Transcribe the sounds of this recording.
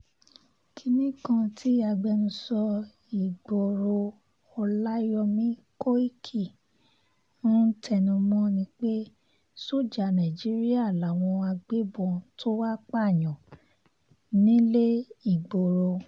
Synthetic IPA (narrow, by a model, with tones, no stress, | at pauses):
kʰi˧nĩ˦kã˧tʰi˦a˧ɡ͡bɛ˧nũ˧sɔ˧ | i˨ɡ͡bo˨ɾo˧ | ɔ˧la˦jɔ˧mĩ˦ko˦i˦kʰi˦˨ | ũ˦tʰɛ˧˨nũ˧mɔ̃˦nĩ˧k͡pe˦ | so˦˨d͡ʒa˨˧˨nã˨d͡ʒi˨˦ɾi˦a˦˨la˨w̃ɔ̃˧a˧ɡ͡be˦bɔ̃˧to˦wa˦k͡pa˦˨j̃ɔ̃˨ | nĩ˦le˦i˦˨ɡ͡bo˨ɾo˧